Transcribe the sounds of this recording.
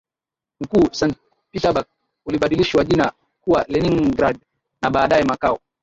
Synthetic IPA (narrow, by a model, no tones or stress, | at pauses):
m̩kuːsant | pitaɓak̚ | uliɓaɗiliʃwaʄina | kuwalɛniŋɡɾad̚ | naɓaːɗajɛmakaɔ